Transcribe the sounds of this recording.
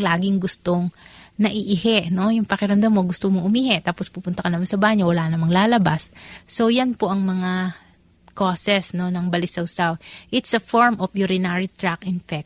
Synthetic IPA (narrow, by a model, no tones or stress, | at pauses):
laːɡɪŋɡʊst̪o̞ŋnɐʔiʔɪhɛʔno̞jʊŋpɐkɪɾɐmd̪ɐmːoɡʊst̪omoʔʊmiːhɛʔt̪aːpospupʊnt̪ɐkɐnɐmansɐbaːɲowɐlaːnɐmaŋlaːlɐbasːo̞jɐnpo̞ʔɐŋmɐŋa | ko̞sɛsno̞nɐŋbɐlɪsɐwsawʔɪt̪sɐfoɹmʔofjʊɾɪnaɹit̪ɹakʔɪnfɛk̚t̪